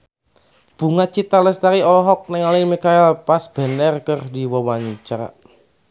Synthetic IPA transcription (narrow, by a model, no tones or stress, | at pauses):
b̥ṳŋat͡ʃit̪aləst̪aɾiɔlɔɦɔk̚nɛŋalimikaɛlpasb̥ɛ̤nɛrkərdiwɔwaɲut͡ʃaɾa̰